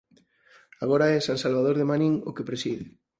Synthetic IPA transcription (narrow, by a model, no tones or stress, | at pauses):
aɣ̞oɾaɛsansalβaðoɾðemanĩŋokepɾesiðɪ